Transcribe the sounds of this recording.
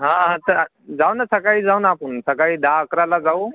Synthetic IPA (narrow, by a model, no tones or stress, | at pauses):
ɦãɦãt̪əɾ | d͡zawnasəkaɦiːd͡zaunaːpəɳsəkaɭiːd̪ãəkɾalad͡zau